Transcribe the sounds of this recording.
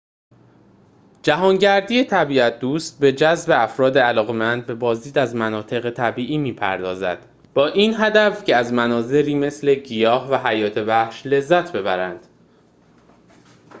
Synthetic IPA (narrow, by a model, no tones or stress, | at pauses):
d͡ʒæɦɒːŋɟæɾd̪iːjet̪ʰæbiːæt̪̚ʰd̪uːst̪̚be̞d͡ʒæzbe̞æfɾɒːd̪eælɒːɣe̞mænd̪̚be̞bɒːzd̪iːd̪æzmænɒːt̪ʰe̞ɣet̪ʰæbiːʔiːmiːpʰæ̰ɾd̪ɒ̰ːzæ̰d̪̥ | b̥ɒːʔiːnɦæd̪æfcʰeæzmænɒːze̞ɾiːme̞sle̞ɟijɒːhvæɦæjɒːt̪ʰebæhʃle̞zːæt̪ʰbe̞bæɾænd̪̥